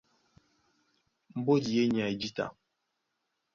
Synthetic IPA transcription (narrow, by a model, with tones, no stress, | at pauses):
m̩˦bo˦di˨je˦ɲ˨a˨i˨d͡ʒi˦ta̰˨